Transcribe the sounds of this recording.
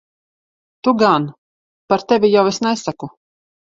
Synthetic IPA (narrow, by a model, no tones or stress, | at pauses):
t̪uɡan | paɾt̪ɛvʲijawesnɛsaku